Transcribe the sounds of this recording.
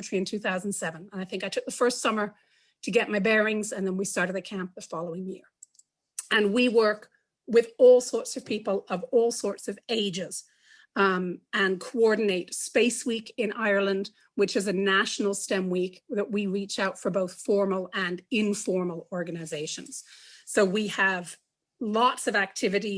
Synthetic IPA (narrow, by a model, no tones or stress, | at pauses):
tɹ̥iɨ̃ntʰʉθaʊznsɛvə̃nə̃naɪθɪ̃ŋkaɪtʰʊk̚ðəfɜ˞stsʌmə˞ | ɾʰɨɡɛʔ̚maɪbɛɹɪ̃ŋzɨ̃nðə̃nwistɑɹɾɨd̚ɨkʰæ̃mp̚ðəfɑlˠoʊɪ̃ŋjɪɹ | ɨ̃nwiwɜ˞k | wɪðɔlˠsɔɹtsʌv̥pʰipəl̩ˠʌvɔlˠsɔɹtsʌveɪd͡ʒɪz̥ | ɨ̃nkʰoɔɹdⁿn̩eɪtspeɪswikɪ̃nʔaɪə˞lˠə̃nd | wɨt͡ʃɨzɨnæʃn̩l̩ˠstɛ̃mwikðɨʔ̚wiɹit͡ʃaʊtfə˞boʊθfɔɹml̩ˠɨ̃nɪ̃ɱfɔɹml̩ˠɔɹɡɨnɨzeɪʃɨ̰̃nz̥soʊwiəv | lɔtsʌvæk̚tʰɪvɨɾi